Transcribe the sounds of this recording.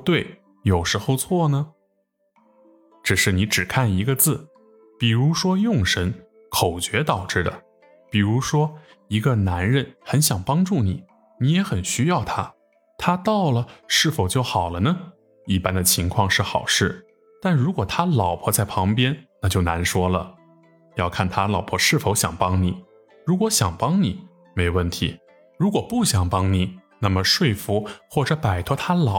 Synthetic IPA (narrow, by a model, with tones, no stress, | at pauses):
t̪we˥˩ɪ | jo˨˩ʊʂɻ̩˧˥xo˧ʊt͡sʰwɔ˥˩nə˩ | ʈ͡ʂɻ̩˨˩ʂɻ̩˥˩ni˧˥ʈ͡ʂɻ̩˨˩kʰa˥˩ni˧˥ɡə˧t͡sɹ̩˥˩ | pi˨˩ɻu˧˥ʂwɔ˥jʊ˥˩ŋʂə˧˥n | kʰo˨˩ʊt͡ɕɥɛ˧˥t̪ɑ˨˩ʊʈ͡ʂɻ̩˥˩d̪ə̰˩ | pi˨˩ɻu˧˥ʂwɔ˥ | i˧˥ɡə˧na˧˥nɻə˥˩nxə˧˥nɕjɑ˨˩ŋpɑ˥ŋʈ͡ʂu˥˩ni˨˩˦ | ni˧˥jɛ˧˥xə˨˩nɕy˥jɑ˥˩ʊt̪ʰa˥ | t̪ʰa˥t̪ɑ˥˩ʊlə˩ʂɻ̩˥˩fo˨˩ʊt͡ɕjo˥˩ʊxɑ˨˩ʊlə˦nə˧ | i˥˩pa˥nd̪ə˨t͡ɕʰi˧˥ŋkʰwɑ˥˧ŋʂɻ̩˥˩xɑ̰˨˩ʊʂɻ̩˥˩ | t̪a˥˩nɻu˧˥kwɔ˨˩t̪ʰa˥lɑ˨˩ʊpʰɔ˧˥t͡sa˥˩ɪpʰɑ˧˥ŋpjɛ˥nna˥˧t͡ɕjo˥˩ʊna˧˥nʂwɔ˥lə̰˨ | jɑ˥˧ʊkʰa˥˩nt̪ʰa˥lɑ˨˩ʊpʰɔ˧˥ʂɻ̩˥˩fo˧˥ʊɕjɑ˨˩ŋpɑ˥ŋni˨˩˦ | ɻu˧˥kwɔ˧˥ɕjɑ˨˩ŋpɑ˥ŋni˨˩˦ | me˧˥jwə˥˩nt̪ʰḭ˧˥ | ɻu˧˥kwɔ˨˩pu˥˩ɕjɑ˨˩ŋpɑ˥ŋni˨˩˦ | na˥˩mə˩ʂwe˥˩ɪfu˧˥xwɔ˥˩ʈ͡ʂɤ˧˥pa˨˩ɪt̪ʰɔ˧˥t̪ʰa˥lɑ˨˩